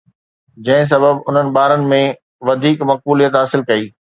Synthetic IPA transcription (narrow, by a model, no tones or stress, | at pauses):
d͡ʑɐ̃ɦɪ̃s̬ɐbəbʊn̤ənɪ̆ɓaːɾənɪ̆mẽ | ʋɐd̪ʱiːkmɐq̚buːlijət̪ɦaːsɪlkɐiː